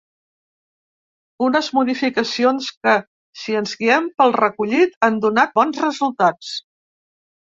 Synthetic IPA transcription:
unəzmuðifikəsionskə | siənzɣiɛmpəlˠrəkuʎit̪and̪unat̪̚bɔnzrəzulˠt̪at͡s

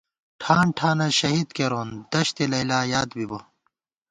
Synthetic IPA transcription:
ʈʰaːɳʈʰaːnɐɕɐɦiːd̪keɾoːnd̪ɐɕt̪elɐilaːjaːd̪bibɐ

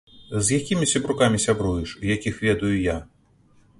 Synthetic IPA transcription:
zjakʲimʲisʲɐbɾukamʲisʲabɾujɛʂujakʲixvʲɛd̪ujuja

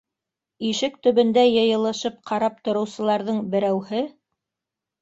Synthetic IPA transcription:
iʃɘk̚t̪ɵ̆βɵ̆nd̪æjɤ̆jɤ̆lˠɤ̆ʃɤp̚qʰɑɾɑp̚t̪ŏɾɤ̆wsɤ̆lˠɑɾðɤɴbɘ̆ɾæwhɘ

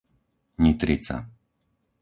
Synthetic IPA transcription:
ɲit̪ɾit͡sa̰

